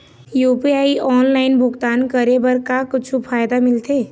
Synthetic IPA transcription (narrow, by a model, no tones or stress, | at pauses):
juːpiaːiʔɔːnlaːɪnbʱʊɡt̪aːnkəɾebəɾkakʊt͡ʃʰupʰaːjd̪amɪlt̪eː